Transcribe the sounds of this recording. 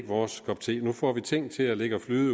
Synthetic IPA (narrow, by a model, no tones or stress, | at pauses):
ɡ̥ʋɒːskʰɒ̽b̥̚t͡sʰe̝̰ːnufɒ̰ːʋit͡sʰeŋ̰t͡sʰe̝læle̝ɡ̥əɒflyːð̩ˠ